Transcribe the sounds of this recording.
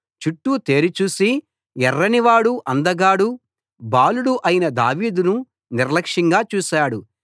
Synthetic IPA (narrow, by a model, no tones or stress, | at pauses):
t͡ʃuʈːut̪e̞ːɾit͡ʃuːsi | ɛrːɐniʋaːɽuʔɐnd̪ɐɡaːɽu | baːluɽuʔɐjinɐd̪aːʋiːd̪unu | niɾlɐkʂiŋɡaːt͡ʃuːʃaːɽu